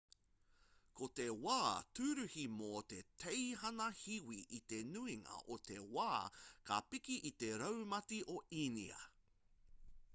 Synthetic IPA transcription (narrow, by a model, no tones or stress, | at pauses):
kʰot̪e̞waːt̪ʉɾʉhimot̪e̞tʰejɦɐnɐhiwiʔit̪e̞nʉiŋɐ̰ʔot̪e̞waːkʰa̰pikiʔit̪eɾɐwmɐtiʔoinḭɐ̰